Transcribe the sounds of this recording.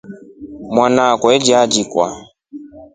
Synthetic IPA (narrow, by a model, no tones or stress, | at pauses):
mwanakwɛd͡ʒad͡ʒikwa̰